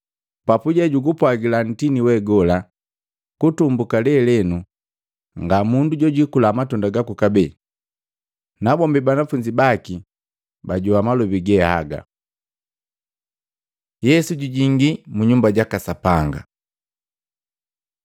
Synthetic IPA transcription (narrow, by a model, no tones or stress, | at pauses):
papuɟaɟuɡupwaɡilan̩tiniwɛɡɔla | kutumbukalɛlɛnu | ŋɡamunduɟɔɟikulaːmatɔndaɡakukabɛ | nabɔmbibanafuɲd͡ʒibaki | baɟuamalɔbiɡɛha̰ɡa̰ | jɛsuɟuɟiŋɡimuɲumbaɟakasapaŋɡa̰